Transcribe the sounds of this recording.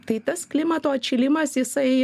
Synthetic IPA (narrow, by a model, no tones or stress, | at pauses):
t̪ɐɪt̪ɐsklʲɪmɐt̪oːɐt͡ʃʲɪlʲɪmɐsjɪsɐɪ